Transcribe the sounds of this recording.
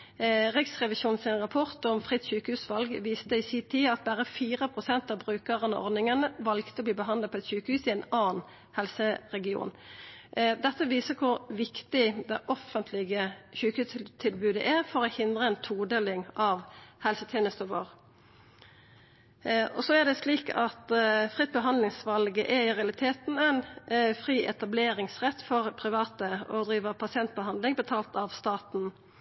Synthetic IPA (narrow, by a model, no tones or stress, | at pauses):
ʁɪksʁɛʋɪʃuːnn̩sɪnʁɑpʰɔʁt̪ɔmfʁɪt̪çʉːkəhʉːsʋɑlɡʋiːst̪əɪsit̪ʰiːɑt̪̚bæʁəfiːʁəpʰʁʊsɛnt̪ɑːʋbʁʉːkəʁənə̰ʔɔ̰ʁd̪nɪŋənəʋɑlɡt̪əɔbliːbəɦɑnd̪ɑd̪pʰɔɛt̪ɕʉːkəhʉːsɪɛnɑːn | hɛlsəʁɛɡɪṵːn | d̪ɛt̪ːəʋiːsəkʰʊʁʋɪkt̪ɪd̪ɛʔɔfənt̪ʰlɪɡəçʉːkət̪ʰːɪlbʉːd̪əʔɛʁfɔʁɔhɪnd̪ʁəɛnt̪ʰuːd̪eːlɪŋɑʋhɛlsət̪ʰjeːnəst̪əʋo̰ːʁ | ɔsɔæd̪ɛsliːkɑt̪fʁɪt̪̚bəɦɑnlɪŋsʋɑlɡəʔɛɪʁɛɑlɪt̪ʰeːt̪n̩æɪnfɾiːʔɛt̪ɑbleːɾɪŋsʁɛt̪ːfɔʁpʰʁɪʋɑːt̪əɔd̪ʁiːʋəpʰɑsɪɛnt̪̚bəɦɑnd̪lɪŋbət̪ʰɑːlt̪ɑʋst̪ɑːt̪n̩